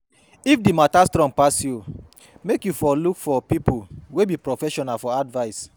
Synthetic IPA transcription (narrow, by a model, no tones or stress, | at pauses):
ifdimatastɾɔ̃ŋpasju | mekjufɔlukfɔpipuwebipɾofɛʃɔnalfɔadvaɪs